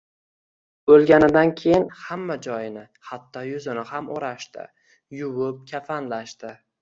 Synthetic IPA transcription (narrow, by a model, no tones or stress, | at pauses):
bɵlɡʲanɪd̪ankʲʰe̞jɪnhamːad͡ʒɒjɪnɪ | hat̪ʰːɒjʊzɪnɪhamoɾaʃt̪ɪ̰ | jʊwʊp̚kʲʰafanlaʃt̪ɪ